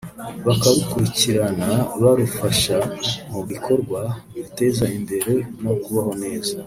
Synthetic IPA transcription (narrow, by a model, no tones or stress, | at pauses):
βakaɾukuɾiciɾanaβaɾufaʃamuβikʰo̞ɾɡwa | βite̞zaimbe̞ɾe̞no̞kuβaho̞ne̞ːza